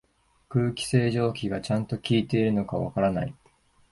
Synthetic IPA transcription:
kɯ̟ːkʲi̥se̞ːʑo̞ːkʲiɡat͡ɕãnt̪o̞kʲiːt̪e̞iɾɯ̟no̞kaβa̰kaɾanai

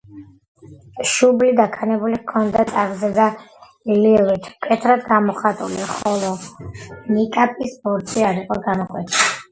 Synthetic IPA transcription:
ʃublid̪akʰanɛbulikʰɔnd̪at̪sʼaɾɡzɛd̪a | lilˠit̪ʰkʼɛt̪ʰɾad̪ɡamɔχat̪ʼṵlḭχɔlˠɔ | nikʼapʼisbɔɾt̪sʰiaɾiqʼɔɡanukʼwɛt̪ʰii

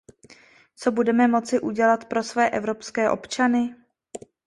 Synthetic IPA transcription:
t͡so̞budɛmɛmo̞t͡sɪʔuɟɛlat̪pɾo̞svɛːʔɛvɾo̞pskɛːʔo̞̰pt͡ʃanɪ

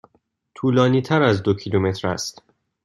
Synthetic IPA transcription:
t̪ʰuːlɒːniːt̪ʰæɾæzd̪ocʰilume̞t̪ʰɾæ̰st̪

